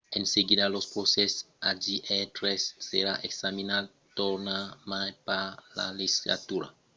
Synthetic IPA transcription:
enseɡid̪alospɾoses | ad͡ʒiʔet̪ɾesːeɾaʔeksaminal | t̪oɾnamajpala̰lisizla̰t̪uɾa̰

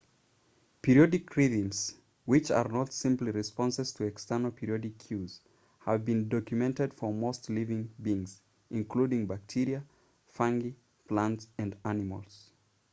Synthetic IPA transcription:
pʰɪɹiɔdɨkʰɹiɾĩmz̥ | wɪt͡ʃə̰˞nətsɪ̃mpliɹɨspɑ̃nsɨz̥tʰɨɛkstɜ˞nl̩ˠpʰɪɹiɔdɪkʰj̥uz̥ | həvbɨ̃ndɔkjɨmɛ̃ntɨd̥fə˞moʊstlivɪ̃ŋbĩŋz̥ | ʔɪ̃nkʰl̥udɪ̃ŋbæk̚tʰɪɹiɨ | fæ̃ŋɡi | pʰl̥æ̃ntsɨ̃ndænɨmə̰l̩ˠz̥

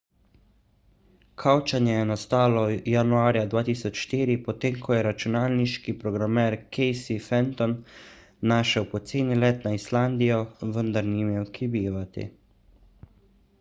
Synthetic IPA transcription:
kʰawt͡ʃanjɛjɛnɔst̪aːlɔjanuaːɾjad̪ʋaːt̪iːsɔt͡ʃʃt̪iːɾipɔt̪eːmkʰɔjɛɾat͡ʃunaːlniʃkipɾɔɡɾamɛɾkʰɛjsifɛnt̪ɔnː | aːʃɛwpɔt̪seːnilɛt̪naisland̪ijɔʋənd̪aɾnimewkʰibeːʋat̪ḭ

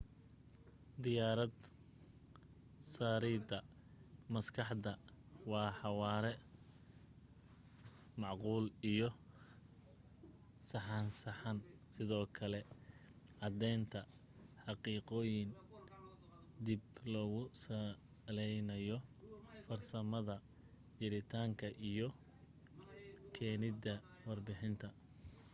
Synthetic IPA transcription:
d̪ɪjaːɾɐd̪ | saːɾiːd̪ɐ | mɐskʰɑħd̪ɐwɑːħɑwɑːɾɛ | mɑʕquːlijɔ | sɑħɑnsɐħɑn | sɪðɔːkʰɐlɛ | ʔɐd̪ɛːnt̪ʰɐ | ħɑqiːqɔːjɪn | d̪iblɔːɣʊsɐ | lɛjnɐjɔfɐrsɐmɐðɐ | t͡ʃɪɾɪt̪ʰaːŋkʰɐʔijɔ | kʰɛːnɪd̪ɐ | wɑrbɪħɪnt̪ʰɐ

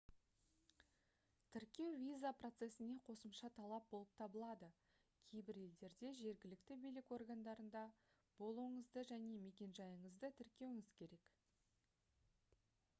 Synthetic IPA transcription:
t̪ʰɪɾkʲe̞wvʲijzapro̞t̪se̞sɪne̞qʰo̞səmʃɑt̪ʰɑlˠɑp̚bo̞lˠəp̚t̪ʰɑbəlˠɑd̪ə | kʲʰe̞jbɪɾe̞ld̪e̞ɾd̪e̞ʒe̞ɾɡʲɪlɪkt̪ɪbijlɪko̞rɡand̪ɑɾənd̪ɑ | b̥o̞lˠuwəɴəzd̪əʒæne̞me̞kʲe̞nʒɑjəɴəzd̪ət̪ʰɪɾkʲe̞wɪŋɪz̥kʲʰe̞ɾe̞k

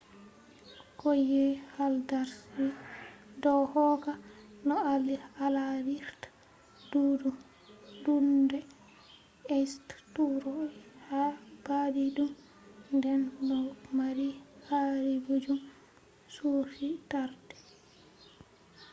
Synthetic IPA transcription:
kojɛhaldaɾsidɔhɔkanɔalialabiɾt | duːdu | dundɛ | ɛsttuɾɔhab̥adiɗum | ndɛndɔmaɾihaɾibud͡ʒum | sufitaɾdɛ̥

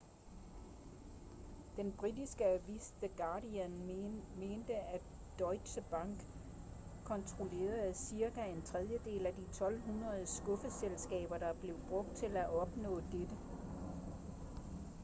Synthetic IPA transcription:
d̥enb̥ʁidisɡ̥əæʋisd̥eɡ̥ɑ̈ːdiænme̝ːnd̥əæ | d̥ɒɪɕəb̥ɑ̈ŋ̰ɡ̥ | kʰɒ̽nt͡sʰʁo̝le̝̰ːɐðˠæsiɐɡ̥æe̝nt͡sʰʁɛð̞ˠjəd̥e̝̰ːlæd̥it͡sʰɒ̽lɦunʁɐð̞ˠsɡ̥ɔ̽fəselsɡ̥ɛ̰ːb̥ɐd̥ɑ̈b̥le̝ʊb̥ʁɔ̽ɡ̥̚d̥̚t͡sʰe̝læʔɒ̽b̥nɔ̰̽ːd̥ed̥ə

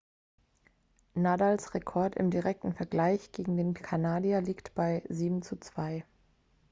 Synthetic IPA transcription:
naːdaːlsʁekʰɔɐtɪ̰mdiʁɛk̚tn̩fɛɐɡlaɪçɡ̥eːɡŋ̩deːnkʰanaːdialiːktb̥aɪziːbm̩t͡sut͡sv̥aɪ

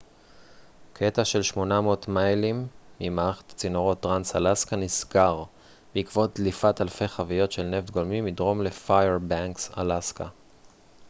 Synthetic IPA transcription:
kʰe̞taʃe̞lʃmo̞namoːtmajlimːimaaχḁt̪ḁt͡sinoʁo̞t̚ːʁansalaskanisɡaʁ | beikvo̞t̚lifatalfe̞jχavijo̞tʃe̞lne̞vd̪̚ɡolmimidʁo̞mle̞fajeʁbaŋksa̰laska

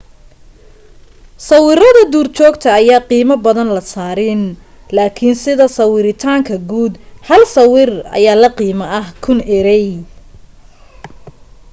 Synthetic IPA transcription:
sɑwɪɾɐðɐd̪uːrt͡ʃʰɔːɡt̪ʰɐːjaːqiːmɐbɐðɐnlɐsaːɾɪn | laːkʰɪnsɪðɐsɐwɪɾɪt̪ʰaːŋkʰɐɡuːd̪hɐlsɐwɪrɐ̰jaːlɐqiːmɐɐhkʰʊnɛɾɛj

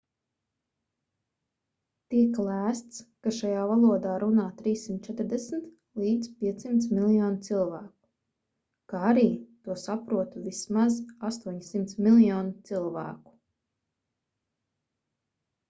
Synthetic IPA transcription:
t̪iɛklˠæːst̪skaʃajaːvalˠuɔd̪aːɾʔunaːt̪ɾiːsːimt̪̚t͡ʃɛt̪ɾd̪ɛsm̩t̪ | liːd̪z̥pʲiɛt̪simt̪smʲilˠjɔːnt̪silˠvæːku̥ | kaaɾiːt̪uɔsapɾuɔt̪uvismazast̪uɔɲsimt̪smilˠjɔːnt̪silˠvæ̰ːku̥

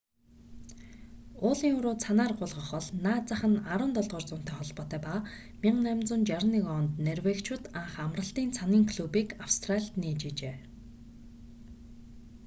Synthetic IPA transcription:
ʊːɮiːŋɵɾoːt͡sʰanaːrɢʊɮʁə̆χɔɮnaːt͡saχə̆naɾʊ̆ːnt̪ɔɮʁɔːrt͡sʊːn̥t̪ʰæːχɔɮpɔːt̪æːpaː | mʲiɴnæmʲt͡sʊ̆nt͡ɕaɾnikɔnt̪nerweːkt͡ɕʰwʊ̆t̪aɴχamrə̆ɬt̪iːnt͡sʰaniːŋkʰɮupiːkawst̪raɮʲt̪niːt͡ɕeːt͡ɕeː

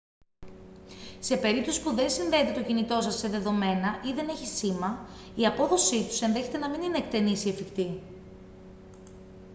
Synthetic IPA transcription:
se̞pe̞ɾip̚t̪o̞si̥puðe̞nsinðe̞ːt̪e̞t̪o̞cinit̪o̞sɐsːe̞ðe̞ðo̞me̞nɐʔiðe̞ne̞çisimɐ | iɐpo̞ðo̞sit̪u̥se̞nðe̞çe̞t̪e̞nɐminine̞eːk̚t̪e̞nisiefikt̪i

